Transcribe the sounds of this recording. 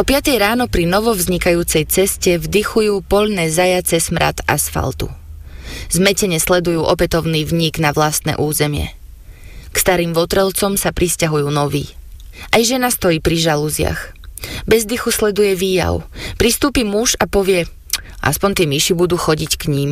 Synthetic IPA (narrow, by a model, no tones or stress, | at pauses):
ʔɔpɪat̪ɛjɾaːnɔpɾinɔʋɔvzɲikajuːt͡sɛjt͡sɛscɛvd̪ixujuːpɔʎnɛːzajat͡sɛsmɾa̰t̪asfa̰lt̪ṵ | zmɛcɛɲɛslɛd̪ujuːʔɔpɛt̪ɔʊniːvɲiɡnaʋlast̪nɛ̰ːʔuːzɛmɪɛ̰ | kst̪aɾiːmʋɔt̪ɾɛlt͡sɔmsapɾiscaɦujuːnɔʋḭː | ʔajʒɛnast̪ɔjiːpɾiʒaluzɪa̰xbɛzd̪ixuslɛd̪ujɛʋiːja̰ʊpɾist̪uːpimuʒapɔʋɪɛ | ʔa̰spɔnt̪ɪɛmiʃibud̪uːxɔɟickɲiːm